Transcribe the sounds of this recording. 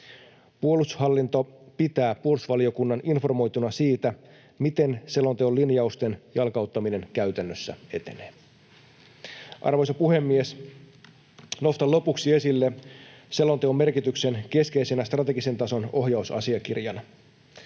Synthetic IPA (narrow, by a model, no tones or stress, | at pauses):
puo̞lushɑlːint̪o̞pit̪æːpuo̞lusʋɑlio̞kunːɑnʔinfo̞rmo̞jt̪unɑsiːt̪æ | mit̪e̞nse̞lont̪eolinjɑust̪e̞njɑlkɑut̪ːɑmine̞nkæɥt̪ænːøsːæ̰e̞t̪e̞̰neː | ʔɑ̰rʋo̞jsɑpuhe̞mːies | no̞st̪ɑlo̞puksie̞silːese̞lo̞nt̪eomːe̞rkit̪ykse̞nke̞ske̞jse̞næst̪rɑt̪e̞ɡise̞nt̪ɑso̞no̞ɦjɑusɑ̰siɑkirjɑnɑ